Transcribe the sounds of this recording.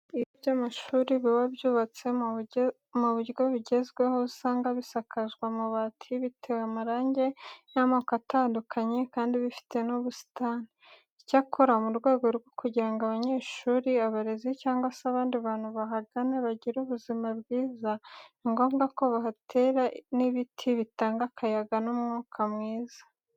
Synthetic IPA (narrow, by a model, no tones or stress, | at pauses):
iβibjamaʃuːɾiβiβabjuːβat͡se̞ | muβuɾɡo̞βiɟe̞zɡwe̞ho̞saːŋɡaβisakʰazɡwamuβatʰiβitʰewamaɾaːɲɟe̞namakatʰaːndukʰaɲe̞kaːndiβifi̥te̞nuβusi̥taːni | icakʰoɾamuɾɡwe̞ːɡo̞ɾɡo̞kuɟiɾaŋɡaβaɲe̞ːʃuːɾiaβaɾezicaːŋɡwaseaβaːndiβaːn̥huβaɦaɡaneβaɟiɾuβuzimabɡiːzaiŋɡo̞ːmɡako̞βahatʰe̞ːɾaniβitʰiβitaːŋɡakʰajaɡanumŋuːkʰamŋiːza